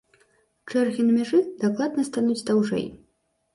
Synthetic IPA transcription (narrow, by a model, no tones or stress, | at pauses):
t͡ʂɛrɣʲinɐmʲaʐɨd̪aklˠad̪nɐst̪anut͡sʲd̪awʐɛ̰j